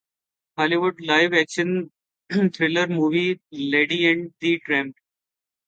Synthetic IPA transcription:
hɔːliʋʊɖlaɪʋɛkʃə̃n | t̪ʰɾɪləɾmuːʋileːɖiɛ̃ɳɖd̪iʈɾɛ̃mp

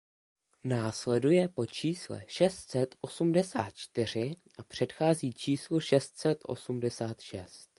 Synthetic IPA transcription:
naːslɛdujɛpo̞t͡ʃiːslɛ̰ʃɛst̪sɛt̪ʔo̞sumdɛsa̰ːt̪̚t͡ʃt̪ɪr̝ɪʔapr̝̥ɛt̪xaːziːt͡ʃiːsluʃɛst̪sɛt̪ʔo̞̰sumdɛsaːt̪ʃɛst̪

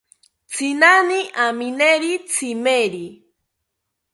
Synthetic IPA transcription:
t͡sʰinaniʔamineɾit͡sʰimeɾi

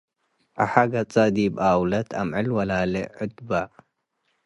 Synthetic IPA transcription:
ʔa̰ħaɡɐt͡sʼɐd̪ibawlɐt̪ʰamʕɨlwɐlalɛ̰ʕʊd̪ba

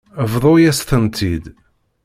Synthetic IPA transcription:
əvðˤojæsθənt̪ʰid̪

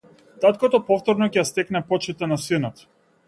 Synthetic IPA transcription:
t̪at̪kɔt̪ɔpɔft̪ɔɾnɔcɛjast̪ɛknɛpɔt͡ʃit̪anasinɔt̪

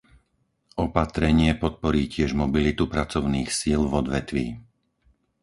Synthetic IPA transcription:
ɔpat̪ɾɛɲɪɛpɔt̪̚pɔɾiːcɪɛʒmɔbilit̪upɾat͡sɔʊniːxsiːlvɔd̪ʋɛt̪ʋḭː

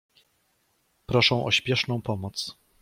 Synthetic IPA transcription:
pɾɔʂɛ̃w̃ʔɔ̰ɕpʲjɛʂnɔ̃w̃pɔmɔt̪s

